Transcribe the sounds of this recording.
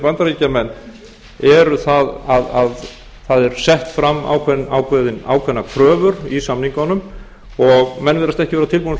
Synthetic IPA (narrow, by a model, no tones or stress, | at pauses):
pant̪aɾiːcamɛnː | ɛɾʏθaðaðað | θaðɛɾ̥sɛht̪fɾamːa̰ːwkʰvɛnawkʰvɛðɪna̰ːwkʰvɛnːakʰɾœːvʏɾisamniŋkanːʏm | ɔɣmɛnvɪðɾast̪ɛhcɪvɛɾat̪ʰɪlpun